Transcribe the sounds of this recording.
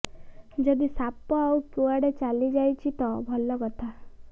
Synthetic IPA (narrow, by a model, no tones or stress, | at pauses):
d͡ʒɔd̪isapːɔawkjuaɽet͡ʃalid͡ʒajt͡ʃʰit̪ɔbʱɔlːɔɡɔt̪ʰa